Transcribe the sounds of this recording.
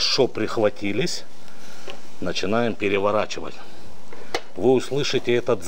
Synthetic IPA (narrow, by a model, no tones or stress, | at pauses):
ʂopɾʲɪxvɐtʲilʲɪsʲ | nət͡ɕɪnajɪmpʲɪɾʲɪvɐɾat͡ɕɪvə̰tʲ | vɨʊslˠɨʂɨtʲɪɛt̪ət̪z